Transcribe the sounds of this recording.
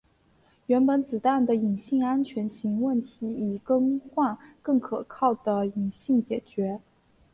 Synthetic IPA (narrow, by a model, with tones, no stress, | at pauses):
ɥɛ˧˥npə˧˥nt͡sɹ̩˨˩t̪a˥˩nd̪ə˩i˨˩ŋɕi˥˩ŋa˥nt͡ɕʰɥɛ˧˥nɕi˧˥ŋwə˥˩nt̪ʰi˧˥i˨˩kɤ˥ŋxwa˥˧nkɤ˥˩ŋkʰɤ˨˩kʰɑ˥˩ʊd̪ə˩i˨˩ŋɕi˥˩ŋt͡ɕjɛ˨˩t͡ɕɥɛ˧˥